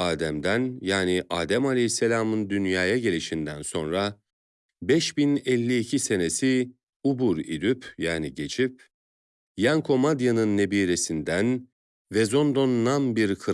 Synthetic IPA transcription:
aːd̪æmd̪ænjaːniʔaːd̪æmalʲɛjisːelʲaːmɯnd̪ynjaːjaɟe̞lʲiʃind̪ænso̞nɾa | bɛʃbinɛlʲːiːcʰise̞ne̞si | ubuɾḭd̪ypjaːniɟe̞t͡ʃʰip | jankʰo̞mad̪janɯnːe̞biːɾe̞sind̪æn | vɛzo̞nd̪o̞nnanbiɾkʰɯ

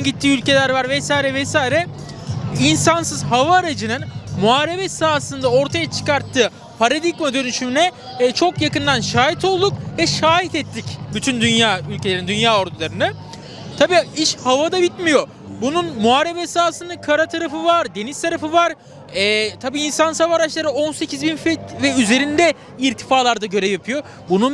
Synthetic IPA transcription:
anɟit̪ʰːiːylʲce̞lʲæɾvaɾvɛsaːiɾɛvɛsaːiɾɛ | insansɯzɦavaːɾad͡ʒɯnɯnmuaːɾebɛsaːsɯnd̪ao̞ɾt̪ʰajat͡ʃʰɯ̥kaɾt̪ʰːɯː | pʰaɾad̪ikmad̪ø̞nyʃynɛ | t͡ʃʰo̞kjakɯnd̪anʃaːɦit̪ʰo̞lˠd̪ukvɛʃaːɦit̪ɛt̪ʰːicbyt̪ʰynd̪ynjaːylʲcʰe̞lʲeɾind̪ynjaːo̞ɾd̪ʰulˠaɾɯnɯ | t̪ʰabiːiʃhavad̪abit̪mijo̞ | bununmuɦaɾebɛsaːsɯnɯkʰaɾat̪ʰaɾafɯvaɾd̪e̞nizt̪ʰaɾafɯvaɾ | ɛt̪ʰabiːnsansavaɾat͡ʃlˠaɾɯo̞nse̞cʰizbinfɛt̪vɛyze̞ɾind̪ɛ | iɾt̪ʰi̥faːlˠaɾd̪aɟø̞ɾɛvjapʰɯjo̞ | bunun

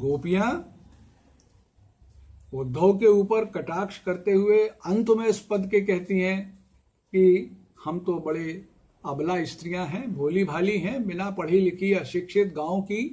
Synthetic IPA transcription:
ɡoːpijã | ʊd̪ʱːəkeuːpəɾkɐʈaːkʃkɐɾt̪eɦʊeɐ̃nt̪mẽɪspɐd̪ʱkekɛɦt̪iɦɛ̃ | ki | hɐmt̪obɐɽe | ɐblaɪst̪ɾijãɦɛ̃bʱoːlibʱaːliɦɛ̃bɪnapɐɽ̤ilɪkʰiɐʃɪkʃɪt̪̚ɡãːõki

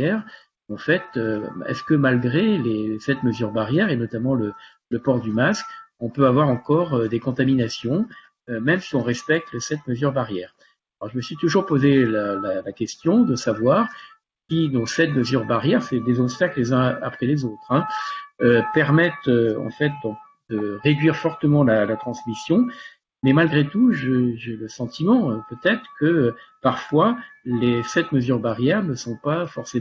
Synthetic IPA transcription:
ɛʁ | ɑ̃fɛt̪øɛ̰skəmalɡʁelesɛt̪məzyʁbaʁjɛʁenɔt̪amɑ̃lə | ləpɔʁd̪ymaskɔ̃pøavwaʁɑ̃kɔʁød̪ekɔ̃t̪aminasjɔ̃ | ømɛmsiɔ̃ʁɛspɛk̚t̪əsɛt̪məzyʁbaʁjɛːʁ | alɔʁʒəməsɥit̪uʒuʁpozelalalakʲɛst̪jɔ̃d̪əsavwaʁ | kʲid̪ɔ̃sɛt̪məzyʁbaʁjɛʁsɛd̪ezɔpst̪aklezɛ̃a̰pχɛlezot̪χɛ̃øpɛʁmɛt̪øɑ̰̃fɛt̪̚d̪ɔ̃ | d̪̥əʁed̪ɥiʁfɔʁt̪əmɑ̃lalat̪χɑ̃smisjɔ̃ | mɛmalɡʁet̪uʒəʒɛləsɑ̃t̪imɑ̃øpøt̪ɛt̪χəkəpaʁfwalesɛt̪məzyʁbaʁjɛʁnəsɔ̃pafɔʁse

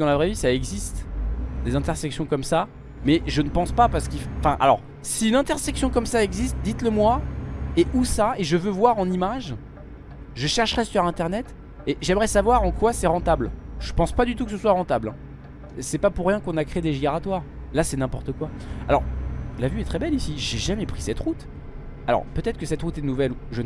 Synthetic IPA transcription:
d̪ɑ̃lavʁɛvisaɛɡzist̪d̪ezɛ̃t̪ɛʁsɛksjɔ̃kɔmsa | mɛʒənəpɑ̃spapaʁsə̥kifɑ̃fɛ̃ʔa̰lɔ̰ʁ | siynɛ̃t̪ɛʁsɛksjɔ̃kɔmsaɛɡzist̪̚d̪it̪ləmwaeʔusaeʒəvøvwaʁɑ̃nimaʒ | ʒəʃɛʁʃʁɛsyʁɛ̃t̪ɛʁnɛt̪ | eʒɛmʁɛsavwaʁɑ̃kwasɛʁɑ̃t̪ablʒ̥əpɑ̃spad̪yt̪ukəsəswaʁɑ̃t̪ablɛ̰̃ | sɛpapuʁːjɛ̃kɔ̃nakχed̪eʒiɡeʁat̪waːʁ | lasɛnɛ̃pɔʁt̪əkwaalɔ̰ʁlavyɛt̪χɛbɛlisiʒeʒamɛpχisɛt̪ʁut̪ | alɔ̰ʁpøt̪ɛt̪χəkəsɛt̪ʁut̪ɛnuvɛluʒə

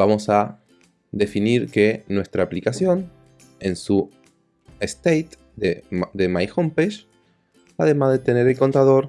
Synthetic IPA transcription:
bamo̞sa | ðe̞finiɾke̞nwe̞st̪ɾaːplikasjo̞n | e̞nsu | est̪ejt̪ | dd̪emajxompeʃ | aðe̞mazðet̪e̞ne̞ɾe̞lko̞nt̪aðo̞ɾ

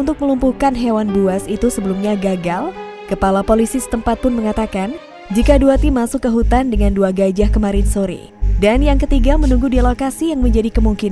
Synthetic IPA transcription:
unt̪ʊk̚məlumpuhkanɦewanbuasit̪usəbəlumɲaɡaɡal | kəpalapolisisə̥t̪əmpat̪̚pʊnməŋat̪akan | d͡ʒikaduat̪imasʊkːəɦut̪andəŋanduaɡad͡ʒahkəmaɾɪnsoɾḭ | danjaŋkət̪iɡamənuŋɡudilokasijaŋməɲd͡ʒadikəmuŋkin

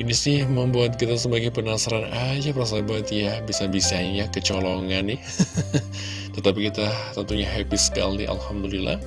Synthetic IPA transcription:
inisɪhməmbuat̪̚kit̪asəbaɡajpənasaɾanad͡ʒapəɾas̬abaat̪jabisabisaɲakət͡ʃoloŋanːɪ | t̪ət̪ap̬ikit̪at̪ənt̪uɲaɦɛpiska̰ld̪ḭʔa̰lhamd̪ulilːa̰h

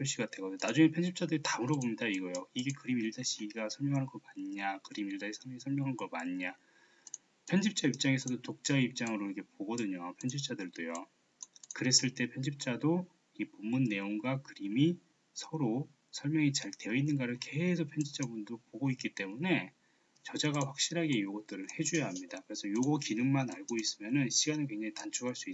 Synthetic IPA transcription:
ɸjoɭɕ͈iɡatʰeɡʌdɯɲonad͡ʑuŋe̞pʰʌnd͡ʑip̚t͡ɕ͈adɯɾitamɯɾobomɲidaiɡʌjoiɡe̞kɯɾimiɭdaɕʰiɡasʰʌɭmjʌŋɦanɯnɡʌmaɲiɲakɯɾimiɭdaɕʰisʰʌmŋisʰʌɭmjʌŋɦanɡʌmaɲɲa | pʰʌnd͡ʑip̚t͡ɕ͈aip̚t͡ɕ͈aŋesʰʌdotok̚t͡ɕ͈aeip̚t͡ɕ͈aŋɯɾoiɡe̞poɡʌdɯɲopʰjʌnd͡ʑip̚t͡ɕ͈adɯɭdojo | kɯɾe̞s͈ɯɭt͈e̞pʰjʌnd͡ʑip̚t͡ɕ͈ado | ipomːunːe̞oŋɡakɯɾimi | sʰʌɾo | sʰʌɭmjʌŋit͡ɕaɭte̞jʌinːɯnɡaɾɯɭke̞sʰopʰjʌnd͡ʑip̚t͡ɕ͈abundopoɡoik͈it͈e̞mune̞ | t͡ɕʌd͡ʑaɡaɸwak̚ɕ͈iɾɦaɡe̞joɡʌt͈ɯɾɯɭhe̞d͡ʑujʌɦamɲidakɯɾe̞sʰʌjoɡʌkinɯŋmanaɭɡois͈ɯmjʌnɯnɕʰiɡanɯɭkwe̞ŋd͡ʑaŋitant͡ɕʰuɡɦaɭs͈ui

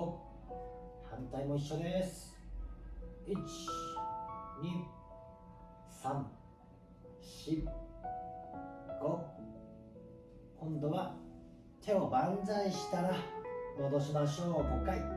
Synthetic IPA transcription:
o | hãnt̪aimo̞iɕːo̞d̪esɨ̥ | it͡ɕi̥ | ɲʲi | sãŋ | ɕi | ɡ̥o̞ | kʰõ̞nd̪o̞βa | t̪ʰe̞o̞bãnd͡zaiɕi̥t̪aɾamo̞d̪o̞ɕimaɕo̞ːkokːai

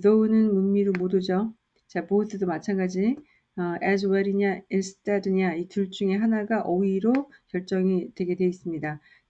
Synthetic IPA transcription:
dʌunɯnmunmiɾomodud͡ʑo | t͡ɕaboɯs͈ʰɯdomat͡ɕʰanɡad͡ʑi | ʌed͡ʑuwaɾiɲainsʰɯ̥t͈ʰadɯɲaituɭt͡ɕ͈uŋe̞ɦanaɡaʔʌiɾokjʌɭt͡ɕ͈ʌŋidwe̞ɡe̞dwe̞is͈ɯmɲida

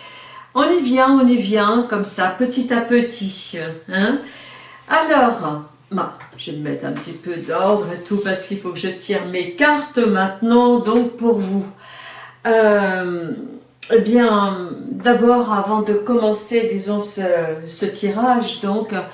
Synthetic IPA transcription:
ɔ̃nivjɛ̃ɔ̃nivjɛ̃kɔmsapət̪it̪apət̪ʰiɛ̃ | alɔːʁ | bãʒ̥əməmɛ̰t̪ɛ̃pət̪ipød̪ɔʁd̪ʁet̪upaʁsə̥kilfokəʒət̪ʰiʁmekaʁt̪əmɛ̃t̪nɑ̃d̪ɔ̃k̚puʁvu | ø | ebjɛ̃d̪abɔʁavɑ̃d̪əkɔmɑ̃sed̪izɔ̃səsət̪ʰiʁaʒd̪ɔ̃k

